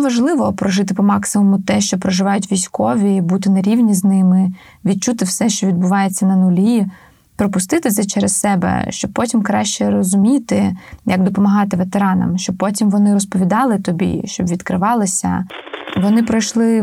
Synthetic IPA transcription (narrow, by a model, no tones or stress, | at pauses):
ʋɐʒlˠɪʋɔpɾɔʒɪt̪ɪpɔmɑksɪmʊmʊt̪ɛʃt͡ʃɔpɾɔʒɪʋɑjʊt̬ʲʋʲijsʲkɔʋʲibut̪ɪnɐɾʲiwnʲiznɪmɪ | ʋʲid̪̚t͡ʃut̪ɪwsɛʃt͡ʃɔʋʲid̪̚bʊʋɑjet͡sʲːɐnɐnʊlʲi | pɾɔpʊst̪ɪt̪ɪzɛt͡ʃɛɾɛssɛbɛ̰ʃt͡ʃɔb̚pɔtʲimkɾɑʃt͡ʃɛɾɔzʊmʲit̪ɪjɐɡd̪ɔpɔmɐɦɑt̪ɪʋet̪eɾɑnɐ̰mʃt͡ʃɔbpɔtʲimʋɔnɪɾɔspɔʋʲid̪ɑlˠɪt̪ɔbʲḭʃt͡ʃɔbʋʲid̪kɾɪʋɑlˠɪsʲɐ̰ʋɔnɪpɾɔjʃlˠɪ